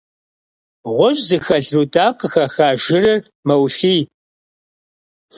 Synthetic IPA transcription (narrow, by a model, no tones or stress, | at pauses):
ʁʷɔʒʼzɨxɐɮrutʼaːqəxɐxaːʒɪrɐr | mɐwɬiː